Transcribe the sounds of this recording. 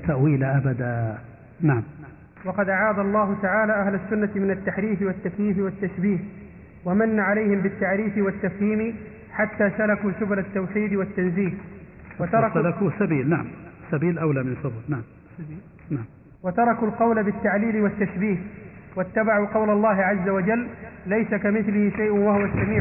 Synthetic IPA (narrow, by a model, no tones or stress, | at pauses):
t̪aʔwiːlaʔabad̪a | naʕm | wɑqɑd̪ʔaʕaːd̪alˤːɑːɦʊt̪aʕaːlaːʔaɦlasːʊnːamɪnat̪ːaħɾiːfɪwat̪ːakjiːfɪwat̪ːaʃbiːh | wamanːaʕalajhɪmbɪt̪ːaʕɾiːfɪwat̪ːafhiːmɪ | ħat̪ːaːsalakuːʃʊblat̪ːawħiːd̪wat̪ːanziːhwat̪ɑɾˤɑsalakusabiːlnaʕa̰msabiːlʔawlamɪnfɨblnaʕam | naʕm | wat̪ɑɾˤɑkulqɑwlabɪt̪ːaʕliːlɪwat̪ːaʃbiːhwat̪ːabaʕuqɑwlalˤːɑːɦɪʕazːawad͡ʒalːajsakamɪθlɪhɪʃajʔʊnwahʊwasːamiːʕ